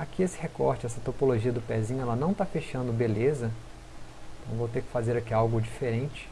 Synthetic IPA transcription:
akiesɪhekɔɾt͡ʃɪɛsɐt̪opoloʒiɐd̪ʊpɛzĩɲʊɛlɐnɐ̃w̃t̪afeʃɐ̃nd̪ʊbelezɐ̃ | t̪ɐ̃w̃vowt̪ekɪ̥fazeɾakiawɡʊd͡ʒifeɾẽnt͡ʃɪ̥

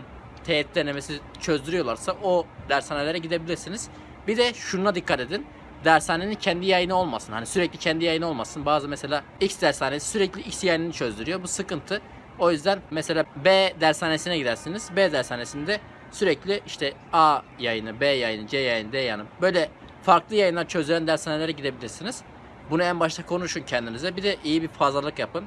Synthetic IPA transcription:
t̪ʰeɛt̪lʲenemesi | t͡ʃʰø̞zd̪yɾyjo̞lˠaɾsaʔod̪æɾsaːne̞lʲeɾɛɟid̪e̞bilʲiɾsiniz̥ | bid̪ɛʃununad̪ikʰːat̪e̞d̪in | d̪æɾsaːne̞nincʰɛnd̪ijajɯnɯo̞lˠmasɯnhanisyɾɛclʲicʰɛnd̪ijajɯnɯo̞lˠmasɯnbaːzɯmɛse̞lʲaːicsd̪æɾsaːne̞si̥syɾɛclʲiicsjajninit͡ʃʰø̞zd̪yɾyjo̞busɯkɯnt̪ʰɯ | o̞jyzd̪ænmɛselʲaːbeːd̪æɾsaːnesinɛɟid̪æɾsinizbeːd̪æɾsaːne̞sinid̪ɛ | syɾɛclʲiʔiʃt̪ʰɛaːjajɯnɯbeːjajɯnɯd͡ʒejajɯnɯd̪ejanɯbø̞jlʲɛ | faɾklˠɯjajɯnlˠaɾt͡ʃʰø̞zd̪yɾænd̪æɾsaːnelʲeɾɛɟid̪e̞bilʲiɾsiniz̥ | bunuænbaʃt̪ʰakʰo̞nuʃuncʰɛnd̪inizɛbid̪ɛʔijibiɾfazlˠalˠɯkjapɯn

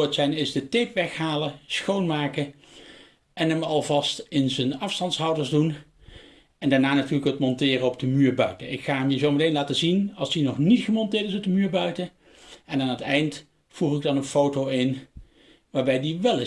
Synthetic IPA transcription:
ɹtsɛjnɪzdətejpʋɛχɦaːləsχownmaːkə | ʔɛnəmɑlˠvɑstɪnzənɑfstɑntsɦɑwdəɹzdun | ɛndaːɹnaːnatyːɹləkətmɔntɪːrəɔb̚dəmyːɹbœɥtənɪkχaːəmjəzowmɪtejnlaːtəzinɑlˠsdinɔχnitχəmɔntɪːɹtɪsɔp̚dəmyːɹbœɥtə | ɛnaːnətɛjnt | fuχɪɡ̚dɑnənfowtowɪn | ʋaːɹbɛjdiʋɛlɪ

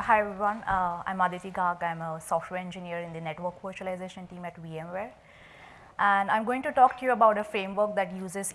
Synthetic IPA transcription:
haɪʋʌ̃nã̰ɪ̃mad̪it̪iɡʱaːɡãɪ̃məsɔːfʈʋeːɾɛ̃nd͡ʒɪniəɾɪ̃nd̪ineʈʋəɾkʋəɾt͡ʃuəlaɪzeːʃə̃nʈĩːmæʈʋiẽmʋeːɾ | ʔæ̃ɳɖãɪ̃mɡoːɪ̃ŋʈuʈɔːk̚ʈujuəbaʊʈəfɾẽːmʋəɾk̚d̪æʈjuːzɪz

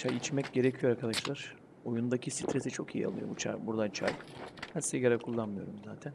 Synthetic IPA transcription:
t͡ʃʰajit͡ʃmɛcɟe̞ɾecʰijo̞ɾaɾkʰad̪aʃlˠaɾ̥ | o̞jund̪acʰisit̪ʰɾesit͡ʃʰo̞̰kʰijḭa̰lˠɯ̰jobut͡ʃʰa̰jbuɾd̪ant͡ʃʰa̰jbænseɡaɾakʰulˠːanmɯjo̞ɾumzaːt̪ʰæn

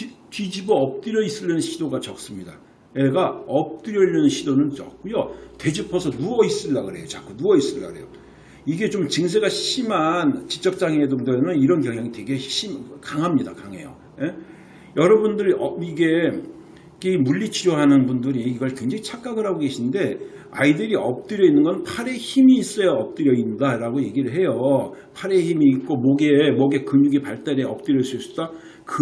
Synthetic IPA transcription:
tid͡ʑibʌʌp̚t͈ɯɾjʌis͈ɯʎːʌnɯnɕʰidoɡat͡ɕʌk̚s͈ɯmɲida̰ | jeɡaʌp̚t͈ɯɾjʌiʎːinɯnɕʰidonɯnt͡ɕʌ̰k̚k͈ujote̞d͡ʑipʰʌsʰʌnuʌis͈ɯɭːaɡɯɾe̞̰jot͡ɕak͈ʰunuʌis͈ɯlːa̰ɡɯɾejo | iɡe̞t͡ɕomt͡ɕɯŋs̬ʰe̞ɡaɕɕimant͡ɕi̥t͡ɕ͈ʌk̚t͡ɕ͈aŋedoŋdɯɾenɯniɾʌnkjʌŋɦjaŋitwe̞ɡe̞ɕʰimkaŋɦamɲida̰kaŋe̞̰jo̰ | je | jʌɾʌbundɯɾʌiɡe̞ | kimuʎːit͡ɕʰijoɦanɯnbundɯɾiiɡʌɭkweŋd͡ʑeŋit͡ɕʰak͈aɡɯɾɦaɡoke̞ɕʰinde̞ | a̰idɯɾiʌp̚t͈ɯɾjʌinːɯnɡʌnpʰaɾe̞çimiːs͈ʌjʌʌp̚t͈ɯɾjʌindaɾaɡoje̞ɡiɾɯɭɦe̞jo | pʰaɾe̞çimiːk̚k͈omʌɡemʌɡe̞kɯmɲuɡipaɭt͈aɾeʌp̚t͈ɯɾjʌs͈uis͈ud̥a | k

